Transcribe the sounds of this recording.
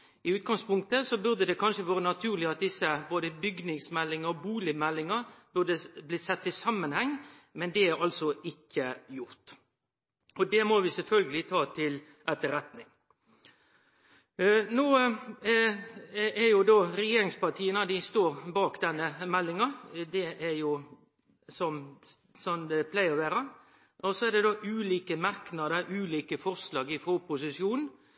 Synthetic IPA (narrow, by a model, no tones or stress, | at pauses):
ɪʉːt̪̚ɡɑŋspʊŋkt̪əsɔbʉʁd̪əd̪ɛkʰɑnʂəʋɑːɾənɑt̪ʰʉːʁlɪɑt̪̚d̪ɪsːəboːd̪əbʏɡnɪŋsmɛlːɪŋəɔbuːlɪmɛlːɪŋəb̥ʉd̪əblɪsɛt̪ːɪsɑmːənhɛŋːmɛnd̪ɛæɾɑlsɔɪkʰːəjʊɾt̪ | ɔd̪ɛmɔʋɪsɛlfœlɡəlɪt̪ʰɑːt̪ʰɪl | ʔɛt̪ːəɾɛt̪nɪŋ | noː | ʔæɾjʊd̪oːɾɛjeːɾɪŋspɑʁt̪ʰiːənəd̪ɪst̪oːɾbɑːkd̪ɛnːəmɛlːɪŋɑd̪ɛʔæɾjʊ | sɔm | sɔmd̪ɛpʰlæɪəʋæːɾə | ʔɔsɔɛd̪ɛd̪oːʔʉːliːkəmɑɾknɑd̪əɾʔʉːliːkəfɔɾslɑːɡɪfɔpʰʊsɪʂjuːnn̩